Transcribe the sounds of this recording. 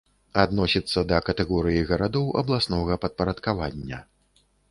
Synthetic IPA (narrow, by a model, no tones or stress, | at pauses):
ad̪nɔsʲit̪sːɐd̪ɐkɐt̪ɛɣɔɾɨjiɣɐɾad̪ɔwʔɐ̰blˠasnɔɣɐpɐt̪̚pɐɾɐt̪kavanʲːɐ